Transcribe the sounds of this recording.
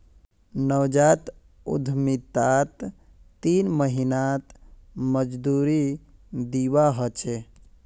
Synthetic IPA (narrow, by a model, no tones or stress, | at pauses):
nəwd͡ʒat̪ | ṵd̪ʱmit̪at̪ː | inməɦinat̪məd͡ʒd̪uɾid̪iwaɦət͡ʃʰe